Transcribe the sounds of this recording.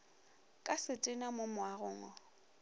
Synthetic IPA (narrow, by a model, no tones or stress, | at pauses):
kʼasɪtʼɪnamʊmwarʊːŋɔ